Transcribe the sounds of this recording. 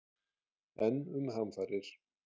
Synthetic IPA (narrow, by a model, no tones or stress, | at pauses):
ɛnːʏmhamfaːɾɪɾ̥